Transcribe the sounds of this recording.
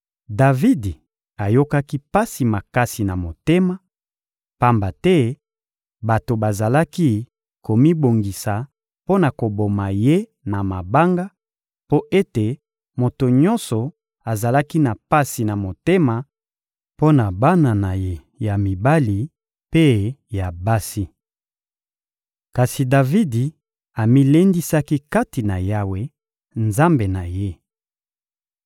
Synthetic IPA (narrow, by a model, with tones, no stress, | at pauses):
da˨vi˦di˨ | a˨jo˦ka˦ki˦pa˦si˨ma˨ka˦si˨na˨mo˨te˦ma˨ | pa˦mba˨tɛ˦ | ba˨to˨ba˨za˨la˦ki˦ | ko˨mi˦bo˨ŋɡi˨sa˨ | po˦na˨ko˨bo˨ma˨je˦ | na˨ma˨ba˦ŋɡa˦ | po˦ʔe˦te˨ | mo˨to˨ɲɔ˦nsɔ˨ | a˨za˨la˦ki˦na˨pa˦si˨na˨mo˨te˦ma˨ | po˦na˨ba˦na˨na˨je˨ | ja˨mi˨ba˦li˨ | pe˦ja˨ba˦si˦ | ka˨si˨da˨vi˦di˨ | a˨mi˦le˦ndi˦sa˦ki˦ka˦ti˨na˨ja˦we˦ | nza˦mbe˨na˨je˦